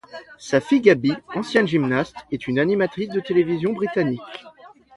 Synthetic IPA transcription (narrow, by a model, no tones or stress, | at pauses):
safiɡabiɑ̃sjɛ̃nʒimnast̪ɛt̪ynanimat̪χis̬d̪ət̪elevizjɔ̃bʁit̪anik